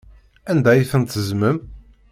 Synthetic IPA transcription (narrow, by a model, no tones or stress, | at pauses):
ænd̪æjiθənt̪əzməm